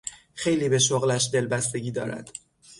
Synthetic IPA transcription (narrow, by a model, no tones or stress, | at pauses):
xe̞jliːbe̞ʃoɣlæʃd̪e̞lbæst̪e̞ɟiːd̪ɒ̰ːɾæ̰d̪̥